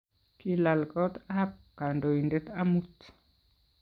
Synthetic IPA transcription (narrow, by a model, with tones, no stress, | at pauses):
ki˦la˨lkɔ˦t̪a˦p̚ka˨ndo˨i˨nde˦t̪a˦mu˦t̪